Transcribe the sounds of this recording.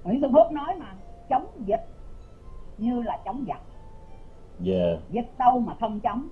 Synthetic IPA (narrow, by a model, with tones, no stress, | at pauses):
wŋt̪ɨ˧ŋfɨ˦˥nɔ˨˦jmaː˨˩t͡ɕə˨˦wŋ͡mzi˨˩t̚ | ɲɨ˧laː˨˩t͡ɕə˨˦wŋ͡mzə˨˩t̚ | ja˧˩zi˨˩t̚ɗə˧wmaː˨˩xə˧wŋ͡mt͡ɕə˨˦wŋ͡m